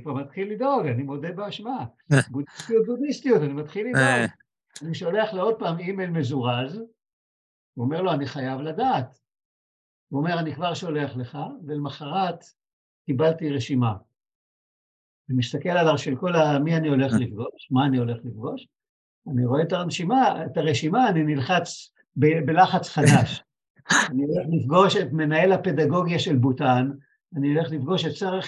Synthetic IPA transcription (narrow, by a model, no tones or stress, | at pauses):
anikvamat̪χilːid̪o̞ɡanimo̞debeaʃma | ɡudist̪ijut̪̚bud̪ist̪ijutanimat̪χilːidoɡ | aniʃo̞le̞aχleo̞d̚paːmimelme̞zuʁaz | uome̞ʁlo̞aniχajavladaːt̪ | uome̞ʁanikvaʁʃo̞le̞aχleχavelmaχaʁat̪ | kibalt̪iʁeʃima | vemist̪ake̞lalaʃelko̞lamianio̞le̞χlifɡo̞ʃmaːnio̞le̞χlifɡo̞ʃ | aniʁo̞et̪aʁenʃimaetaʁeʃimaːninilχat͡s | bebelaχat͡sχadaʃ | anio̞le̞χlifɡo̞ʃe̞tme̞nae̞lhape̞daɡo̞ɡjaʃe̞lbutan | anio̞le̞χlifɡo̞ʃet̚t͡soʁeχ